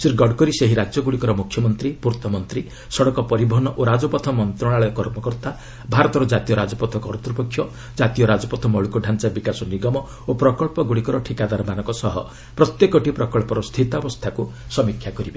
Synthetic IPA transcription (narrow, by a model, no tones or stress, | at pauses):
siɾɡɔɖkɔɾiseɦiɾad͡ʒjɔɡuɽikɔɾɔmukʰjɔmɔnt̪ɾipuɾt̪ɔmɔnt̪ɾi | sɔɽɔkɔpɔɾibɔɦɔnɔʔoɾad͡ʒɔpɔt̪ʰɔmɔnt̪ɾɔɽ̃aɭɔkɔɾmɔkɔɾt̪a | bʱaɾɔt̪ɔɾɔd͡ʒat̪ijɔɾad͡ʒɔpɔt̪ʰɔkɔɾt̪ɾupɔkʰːjɔ | d͡ʒat̪ijɔɾad͡ʒɔpɔt̪ʰɔmɔɭukuɖʱant͡ʃabikasɔniɡɔmɔ | opɾɔkɔɭpɔɡuɽikɔɾɔʈʰikad̪aɾɔmanɔŋkɔsɔɦɔ̰ | pɾɔt̪jekɔʈipɾɔkɔɭpɔɾɔst̪ʰit̪abɔst̪ʰakusɔmikʰjakɔɾibe